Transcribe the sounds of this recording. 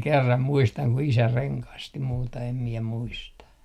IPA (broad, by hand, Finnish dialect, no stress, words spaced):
kerːɑm muistɑŋ ku isæ reŋkɑsti muːtɑ em miɛ muistɑ